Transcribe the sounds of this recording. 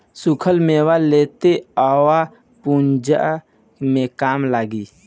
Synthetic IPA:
sukʰəlmewaleːt̪eaːwa | pund͡ʒa̰ | mẽkaːmlaːɡiː

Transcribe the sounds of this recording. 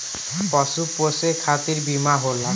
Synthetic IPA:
pɔsuposekʰat̪iɾbimaɦola

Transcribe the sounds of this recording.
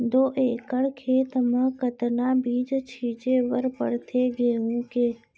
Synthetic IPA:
d̪oːʔeːkəɽkʰeːt̪əmãkət̪naːbiːd͡ʒt͡ʃʰiːd͡ʒeːʋəɾpə̰ɽt̪ʰeːɡeːũkeː

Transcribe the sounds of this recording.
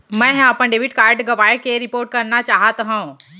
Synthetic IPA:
mɛ̃ːɦapənɖeːʋɪʈkaːɾɖɡɐʋaːekeɾɪpoːɾʈ̚kɐɾnat͡ʃaːɦət̪ɦã

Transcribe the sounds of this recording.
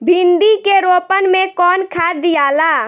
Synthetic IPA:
bʱĩnd̪ikeɾoːpənmẽkɔːnkʰaːd̪ijaːla

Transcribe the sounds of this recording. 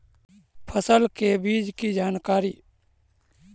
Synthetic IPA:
pʰəsəlkebiːd͡ʒkid͡ʒaːnkaːɾiː

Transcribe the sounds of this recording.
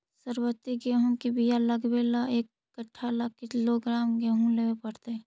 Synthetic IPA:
səɾwət̪ːiɡeɦũkebijaləɡbelaeːkːəʈʰːalakːɪkɪloɡɾaːmɡeɦũleepəɽt̪eɛ̃

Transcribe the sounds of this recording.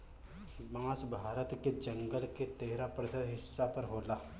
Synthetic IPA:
mãːsbʱaːɾət̪ked͡ʒɐŋɡəlket̪eɦɾapɾəsəd̪ɦɪsːapəɾɦoːlaː

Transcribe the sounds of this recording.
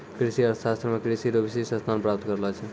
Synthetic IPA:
kɾisiəɾsast̪ɾəmekɾisiɾobisesə̃st̪ʰanpɾap̚t̪kəɾlɛt͡ʃʰɛ

